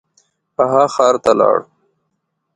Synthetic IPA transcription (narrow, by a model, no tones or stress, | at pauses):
aɦaːxaːɾt̪ala̰ːɽ